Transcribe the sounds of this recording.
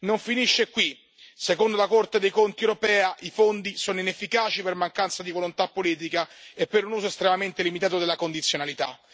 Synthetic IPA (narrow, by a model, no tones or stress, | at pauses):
noɱfiniʃːekwi | sekond̪olakort̪ed̪ejkont̪iewɾopɛːaʔifond̪isoːnoinefːikaːt͡ʃipermaŋkant̪sad̪ivolont̪apːoliːt̪̬ikaepːeɾunuːzoest̪ɾemament̪elimit̪aːt̪od̪elːakond̪it̪sjonalit̪a̰